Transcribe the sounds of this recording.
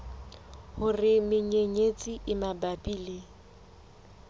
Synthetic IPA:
hʊrɪmɪɲeɲet͡sʼiʔɪmabapʼiːle

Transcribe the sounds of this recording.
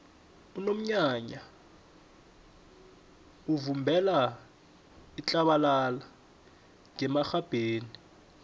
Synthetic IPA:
unom̩ɲaɲa | uvumbʱɛla | it͡ɬʼaɓalala | ŋɛmaxab̥ʱeːni

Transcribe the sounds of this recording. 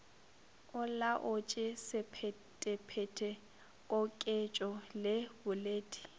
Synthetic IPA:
ʊlaʔʊt͡ʃʼɪsɪpʰɛ | tʼɪpʰɛtʰɛ | kʼɔkʼɪt͡ʃʼɔlɪbʊleːdʼi̥

